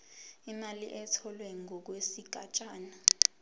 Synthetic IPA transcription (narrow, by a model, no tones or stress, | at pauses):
imaliʔɛtʰɔlwɛŋɔk̬wesiɡ̥ʱat͡ʃʼaːna